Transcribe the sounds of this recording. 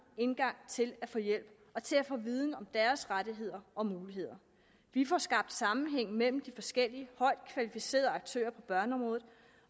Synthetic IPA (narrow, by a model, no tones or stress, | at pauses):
e̝nɡ̥ɑ̈ŋ̰t͡sʰe̝læfɔjel̰b̥ | ɒ̽t͡sʰe̝æfɔ̽ːʋiːð̞ˠn̩ɒ̽md̥æɐsʁaɾ̥iɦe̝ð̞̰ˠɐɒ̽muːliɦe̝ð̰ˠɐ | ʋifɒsɡ̥ɑ̈b̥̚d̥sɑ̈mn̩ɦeŋ̰mel̰m̩d̥ifɒ̽sɡ̥el̰iəhɒ̽ɪ̰d̥̚kʰʋælifise̝̰ːɐðˠɑ̈ɡ̥̚t͡sʰø̰ːɐpʰɒ̽b̥ɶɐnəɒ̽mʁɔ̽ːð̩ˠ